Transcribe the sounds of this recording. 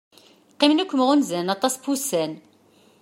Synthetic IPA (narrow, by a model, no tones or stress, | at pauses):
qːimnukʷːməʁunzænɑt̪ˤɑspusæn